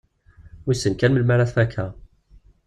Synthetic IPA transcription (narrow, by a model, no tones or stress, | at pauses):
isːənkænməlmæɾaθfækʰːæ